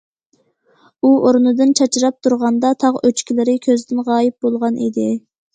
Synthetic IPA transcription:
uʔoɾnɨd̪ɨnt͡ʃʰɑt͡ʃʰiɾɑp̚t̪ʰuɾʁɑnd̪ɑt̪ʰɑʁøt͡ʃkʲʰilɪɾɪkʲʰøzd̪ɪnʁɑːjɪp̚bolˠʁɑnḭd̪ɪ

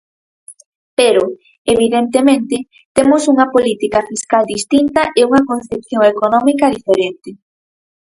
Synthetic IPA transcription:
peɾo | eβiðent̪emẽnt̪ɪ | t̪emosuŋɐpolit̪ikɐfiskald̪ist̪int̪ɐʔeuŋɐkonθepθjoŋekonɔmikɐðifeɾent̪ɪ

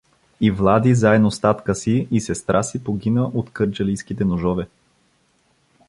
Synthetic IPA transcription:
ivlˠad̪izaɛd̪nost̪at̪kəsiːsɛst̪ɾʔasipoɡʲinəʔot̪kɤɾt͡ʃəlijskit̪ɛnoʒɔvɛ

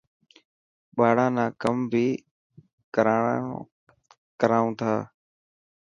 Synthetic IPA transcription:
ɓaːɽãːnãːkəmbʱiː | kəɾaː | kəɾaːũːt̪ʰaː

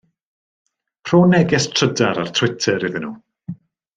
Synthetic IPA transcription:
pʰroːnɛɡɛstʰrədaɾar̥tʰwɪtʰɛɾiðɪnṵː

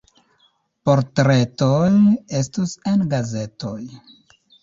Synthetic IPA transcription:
poɾtɾe̞toje̞stusenɡaze̞toj

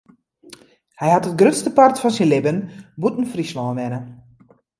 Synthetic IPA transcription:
hɛjɦatət̚ɡrøtstəpartfɔnsinlɪbənbutn̩frislɔːnɛnə

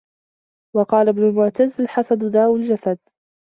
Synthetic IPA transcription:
wɑqɑːlabnʊlmʊʕt̪azːalħasad̪d̪aːwald͡ʒasad̪̚

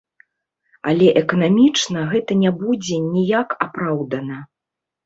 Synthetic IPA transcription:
a̰lʲɛʔɛkɐnamʲit͡ʂnɐɣɛt̪ɐnʲabud͡zʲɛnʲijakapɾawd̪ɐnɐ

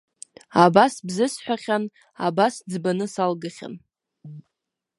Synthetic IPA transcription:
abasbzɨsħʷᶣaχʲan | a̰basd͡zbanɨsalɡaχʲa̰n

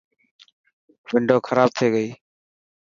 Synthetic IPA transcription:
ʋɪɳɖoːkʰəɾaːb̚t̪ʰeːɡəiː

